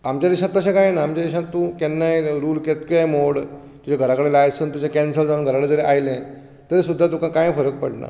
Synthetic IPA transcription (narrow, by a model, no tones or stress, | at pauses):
amt͡ɕjad̪iʂãt̪ːəɕ̬ẽkãjnaːmt͡ɕad̪iʂãt̪ːũkɛnːajɾuːlket̪kamoɽ | t̪ud͡ʑaɡʱəɾakəɽelajsənt̪ud͡ʑakɛnsəld͡zanɡʱəɾaɽed͡zəɾeʔajlẽ | t̪əɾesud̪ʱːat̪ũkãkãjfəɾək̚pəɽna̰